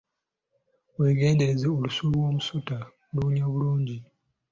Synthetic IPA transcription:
we̞ɡe̞ːnde̞ɾe̞zeolusuluwo̞ːmusuta | luɲaβuluːɲɟi

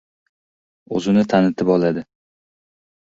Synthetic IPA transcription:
ɵzɪnɪt̪ʰanɪt̪ʰɪpɒlad̪ɪ

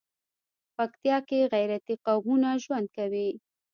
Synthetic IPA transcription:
pakt̪jɑkeɣajɾat̪iqawmunaʒwand̪̚kawi

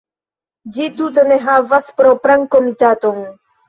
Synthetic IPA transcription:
d͡ʒit̪ut̬eneɦavaspɾopɾaŋkomit̪at̪on

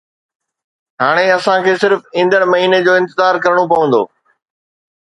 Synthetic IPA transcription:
ɦaːɽ̃eɐsãkʰeːsɪɾfɪ̃ːnd̪əɽ̃mɐɦiːned͡ʑoːɪ̃nt̪ɪzaːɾkɐɾəɽ̃op̬ɐʋə̃n̆d̪o̰ː

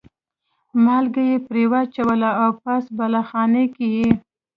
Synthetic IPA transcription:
mɑlɡajepɾewat͡ʃawəlaawp̚asbalaxɑnekiji

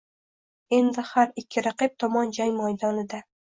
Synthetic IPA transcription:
e̞nd̪ɪhaɾɪkʲʰːɪɾaqɪp̚t̪ʰɒmɒnd͡ʒajmɒjd̪ɒnɪd̪a

